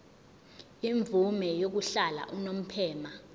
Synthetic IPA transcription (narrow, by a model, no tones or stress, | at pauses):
iɱb̪vumɛjok̬uɬala̰ʔunom̩pʰɛːma